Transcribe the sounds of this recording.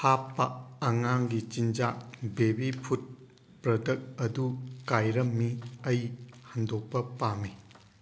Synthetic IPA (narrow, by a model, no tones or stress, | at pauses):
hapːaːŋaŋɡit͡ʃind͡ʒabebipʰut̚ | pɾɐdɐk̚ɐdukajɾɐmːiɐjhandɔk̚pɐpami